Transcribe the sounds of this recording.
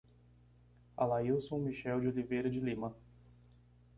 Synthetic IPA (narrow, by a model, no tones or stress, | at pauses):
a̰laiwsõw̃miʃɛwd͡ʒɪolivejɾɐd͡ʒɪlĩmɐ